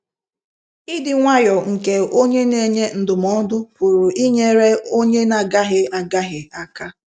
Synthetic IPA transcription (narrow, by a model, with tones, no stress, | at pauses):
i˦dɪ˨ŋʷa˦jɔ˨ŋ̩˨ke˨o˦ɲe˦ne˨ɲe˦n̩˨dʊ˨mɔ˦dʊ˦pʊ˨ɾʊ˨ʔi˦ɲe˦ɾe˦o˦ɲe˦na˨ɡa˦ɦɪ˦a˨ɡa˦ɦɪ˨a˦ka˦